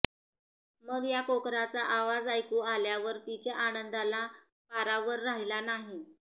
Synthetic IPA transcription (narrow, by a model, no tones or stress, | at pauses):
məɡjakokɾat͡saʔaʋad͡zajkuːaljaʋəɾt̪it͡ɕjaʔanənd̪ala | faɾaʋəɾːaɦilanaɦi